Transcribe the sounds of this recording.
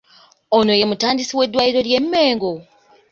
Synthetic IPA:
ono̞je̞mutaːndisiwe̞dːwajiɾo̞lje̞mːe̞ːŋɡo

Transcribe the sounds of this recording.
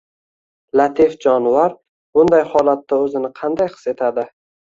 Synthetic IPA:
lat̪ʰifd͡ʒɒnvaɾ | bʊnd̪ajhɒlat̪ːaɵzɪnɪqʰɑnd̪ajqʰɨ̥se̞t̪ʰad̪ɪ

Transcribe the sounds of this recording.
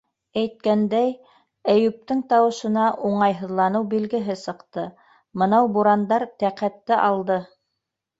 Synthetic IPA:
æjt̪̚kænd̪æj | æjʉp̚t̪ɘŋt̪ɑwɤ̆ʃɤ̆nɑʔuɴɑjɦɤ̆ðlˠɑnɤwbilɡɘ̆ɦɘsɤ̆qt̪ɤ | mɤ̆nɑwbuɾɑnd̪ɑɾt̪æqæt̪ːɘʔɑlˠd̪ɤ

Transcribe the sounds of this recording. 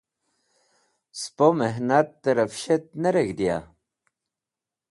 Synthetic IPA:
spomeɦnat̪ːeɾɐfɕet̪̚nɐɾeɡd̪ja̰

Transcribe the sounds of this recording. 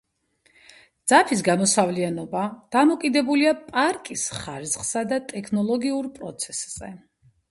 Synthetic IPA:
d̪z̥apʰisɡamɔsavlianɔbad̪̥amɔkʼid̪ɛbuliapʼaɾkʼisχaɾiz̥χsad̪at̪ʼɛkʰnɔlˠɔɡiuɾpʼɾɔt̪sʰɛsz̥ɛ̰

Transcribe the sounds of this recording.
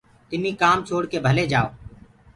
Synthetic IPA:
t̪ɪmiːkaːmt͡ʃʰoːɽkeːbʱəleːd͡ʒaːoː

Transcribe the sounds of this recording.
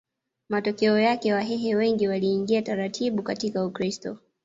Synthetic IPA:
matɔkɛɔjakɛwaɦɛɦɛwɛŋɡiwaliːŋɡiataɾatʰiɓukatikaukɾistɔ

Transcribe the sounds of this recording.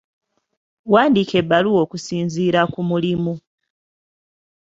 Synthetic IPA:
waːndiːke̞bːaluo̞ːkusiːnziːɾakumulimu

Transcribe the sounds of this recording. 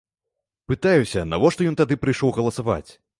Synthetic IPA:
pɨt̪ajusʲɐnavɔʂt̪ɔjɔnt̪ad̪ɨpɾɨjʂɔwɣɐlˠɐsava̰t͡sʲ

